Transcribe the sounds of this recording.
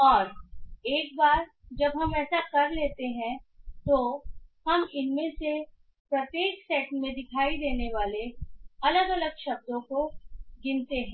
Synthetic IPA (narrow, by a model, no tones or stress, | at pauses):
ɔːɾeːk̚baːɾ | d͡ʒɐbɦɐmɛːsakɐɾleːt̪eɦɛ̃t̪ohɐmɪnmẽse | pɾɐt̪eːksɛːʈmẽd̪ɪkʰaːid̪eːneʋaːleɐləɡɐləɡʃɐb̚d̪õkoɡɪ̃nt̪eɦɛ̃